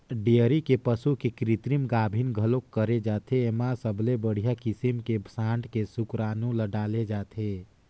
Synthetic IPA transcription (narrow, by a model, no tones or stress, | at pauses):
ɖijəɾikepəsukekɾit̪ɾimɡaːbʱinɡʱəlokːəɾed͡ʒaːt̪ʰeemasəbʱlebəɽ̤ijakisimkebʱəsãːɳʈkesukɾaːnũləɖaːled͡ʒaːt̪ʰe